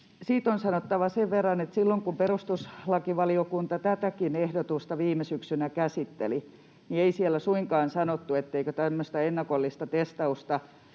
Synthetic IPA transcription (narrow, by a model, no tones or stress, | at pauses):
siːt̪onsɑnot̪ːɑʋɑseʋʋerːɑnet̪silːoŋkumperust̪uslɑkiʋɑliokunt̪ɑt̪æt̪ækinehdot̪ust̪ɑʋiːmesyksynækæsit̪ːḛli | nieisielːæsuiŋkɑːnsɑnot̪ːuet̪ːeikøt̪æmːøst̪ɑenːɑkolːist̪ɑt̪est̪ɑust̪ɑ